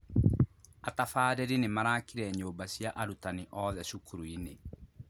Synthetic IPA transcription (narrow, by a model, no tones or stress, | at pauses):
atafaːɾɛɾinemaɾaːkiɾɛɲoːbaɕjaʔaɾutaniʔɔðɛɕukuɾuine